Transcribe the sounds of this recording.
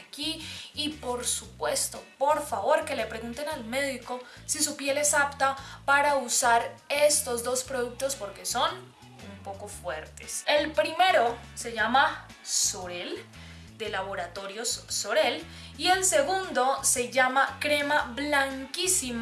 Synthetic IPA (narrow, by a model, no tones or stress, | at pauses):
kiːpo̞ɾsupwe̞st̪o̞po̞ɾfaβo̞ɾke̞le̞pɾe̞ɣunt̪e̞nalme̞ðiko̞ | sisupje̞le̞sapt̪apaɾausaɾe̞st̪o̞zd̪o̞spɾo̞ðuk̚t̪o̞spo̞ɾke̞so̞n | umpo̞ko̞fwe̞ɾt̪ese̞lpɾime̞ɾo̞se̞ʝama | so̞ɾel | d̪e̞laβo̞ɾat̪o̞ɾjo̞sːo̞ɾe̞l | ie̞lse̞ɣund̪o̞se̞ʝamakɾe̞maβlaŋkisim